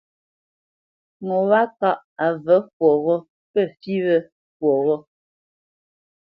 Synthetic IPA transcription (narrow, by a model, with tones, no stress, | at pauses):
ŋɔ˨wa˦ka˦˨ʔ | a˨və˨˦fwɔ˨ɣɔ˦ | pə˦˨fi˦βə˦ | fwɔ˨ɣɔ˦